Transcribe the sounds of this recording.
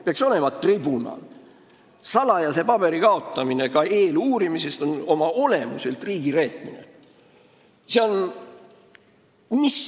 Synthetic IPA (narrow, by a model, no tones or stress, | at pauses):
peɑkso̞le̞mɑt̪ribunɑ̰l | sɑlɑjɑse̞pɑb̥e̞ɾikɑo̞t̪ːˑɑmine̞kɑe̞ːluːɾimise̞st̪o̞no̞mɑo̞le̞muse̞lt̪riːɡ̥iɾe̞ːt̪ˑmine̞̰ | se̞o̞n | mis